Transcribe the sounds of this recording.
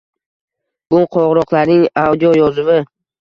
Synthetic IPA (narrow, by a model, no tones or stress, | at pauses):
b̥ʊqʰɒʁɾɒqlˠaɾnɪŋawd̪ijojɒzɪvɪ